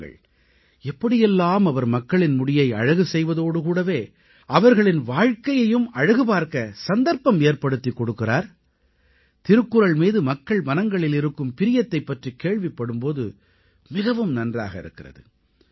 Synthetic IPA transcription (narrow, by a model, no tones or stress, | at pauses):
ɡɐ̰ɭ | ɛpːɐɽɪjɛlːaːmɐʋɐɾmɐkːɐɭɪnmʊɽɪjɐɪɐ̰ɻɐɣɯsɛjʋɐðoːɽɯkuːɽɐʋeː | ʔɐʋɐɾɣɐɭɪnʋaːɻkɐjɐjɯmɐɻɐɣɯp̬aːɾkɐsɐnd̪ɐɾpɐmeːɾpɐɽɯt̪ːikːɔɽɯkːɪraːɾ | t̪ɪɾɯkːɯɾɐɭmiːðɯmɐkːɐɭmɐnɐŋɡɐɭɪlɪɾɯkːɯmpɪɾɪjɐt̪ːɐɪpːɐʈrikeːɭʋɪpːɐɽɯmpoːðɯ̰ | mɪɣɐʋɯmnɐndra̰ːɣɐɪ̰ɾɯkːɪrɐ̰ðɯ̰